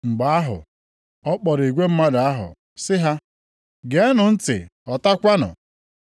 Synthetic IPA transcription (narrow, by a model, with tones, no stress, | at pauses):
ŋ͡m̩˨ɡ͡ba˨a˦ɦʊ̰˨ | ɔ˦k͡pɔ˨ɾi˨ɡʷe˦m̩˦ma˦da˨a˦ɦʊ̰˨ | sɪ˦ɦa˦ | ɡe˨˦a˦nʊ˨n̩˦tɪ̰˨ɔ˨ta˦kʷa˦nʊ̰˨